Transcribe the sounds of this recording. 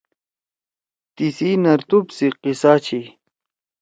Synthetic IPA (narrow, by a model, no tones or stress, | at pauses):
t̪isinɐɾt̪ubsiqisaːt͡ɕʰi